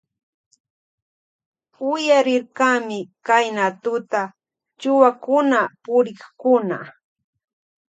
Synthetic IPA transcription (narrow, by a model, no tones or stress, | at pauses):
ʊjaɾɪɾkamɪkajnat̪ʊt̪a | t͡ʃʊwakʊnapʊɾɪχkʊna̰